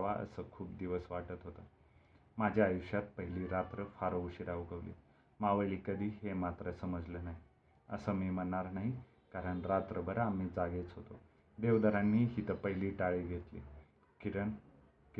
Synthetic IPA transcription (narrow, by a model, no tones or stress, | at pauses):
ʋaə̰səːkʰuːpd̪iʋəsʋaʈət̪ɦot̪ə | mad͡ʑʱjaːjuɕjat̪̚pəɦiliːɾat̪ɾəfaɾəuɕiɾaʋuɡəʋlḭ | maʋəɭiːkəd̪ʱiːɦemat̪ɾəsəməd͡zlənaɦi | əsəːmimənːaɾnaɦi | kaɾəɳɾat̪ɾəbəɾamid͡zaɡet͡sɦot̪o | d̪eʋd̪əɾanːiːɦiːt̪əpəɦiliːʈaɭiɡʱet̪lḭː | kiɾəɳ | k